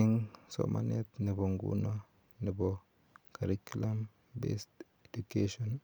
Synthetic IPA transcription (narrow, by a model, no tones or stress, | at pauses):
iŋso̰mʔa̰net̪nibɔŋɡṵna | nibɔ | kaɾikulam | bḛst | edukeʃɔn